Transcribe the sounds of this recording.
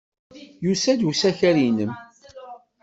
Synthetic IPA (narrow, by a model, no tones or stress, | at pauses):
jusæd̪usæçæɾinəm